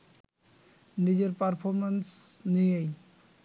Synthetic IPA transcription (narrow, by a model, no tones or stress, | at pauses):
nid͡ʑeɾpaɾpʰɔɾmensnijej